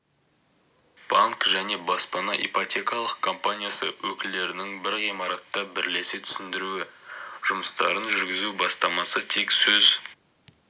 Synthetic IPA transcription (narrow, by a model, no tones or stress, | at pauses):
b̥aŋkʒæne̞bɑspɑnɑʔḭpot̪ʲe̞kɑlˠəqkʰo̞mpanʲijasəwɵkʲɪld̪e̞ɾɪnɪŋbɪɾʁijmɑɾɑt̪ːɑbɪɾle̞sɪt̪ʰʏ̥sɪnd̪ɪɾuɪʒ̥ʊməst̪ɑ̰ɾənʒʏɾɡʲɪzubɑst̪ɑmɑsət̪ʰe̞ksɵz